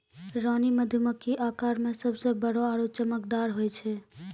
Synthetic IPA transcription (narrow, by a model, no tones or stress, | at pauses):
ɾaːniməd̪ʱjuməkːiʔaːkaːɾmẽsəbsebəɽɔaːɾot͡ʃəməkd̪aːɾɦoɛt͡ʃʰɛ